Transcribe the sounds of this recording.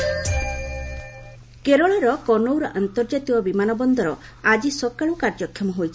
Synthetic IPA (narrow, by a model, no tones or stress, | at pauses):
keɾɔɭɔɾɔkɔnowɾɔʔant̪ɔɾd͡ʒat̪ikɔbimanɔbɔnd̪ɔɾɔ | ad͡ʒisɔkaɭukaɾd͡ʒɔkʰjɔmɔɦojt͡ʃʰi